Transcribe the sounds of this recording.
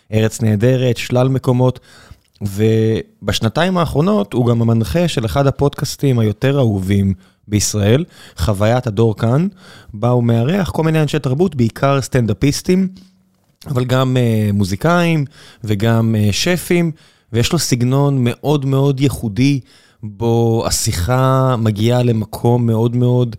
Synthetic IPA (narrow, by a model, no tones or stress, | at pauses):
ʔe̞ʁet͡sneːde̞ʁet̪ʃlalme̞ko̞mo̞t | vebaʃnataimaːχʁo̞no̞thuɡamamanχe̞ʃe̞leχadhapo̞dkastimhajo̞te̞ʁauvim | beisʁae̞lχavajathado̞ʁkanbaumeaʁeaχko̞lmineanʃeltaʁbutbeikʰaʁst̪and̪apistim | avalɡameːuzikaimveɡameʃefim | vejeʃlo̞siɡno̞nme̞ʔo̞dme̞o̞djeχudi | bo̞a̰siχamaɡiale̞makʰo̞mːe̞o̞dme̞o̞d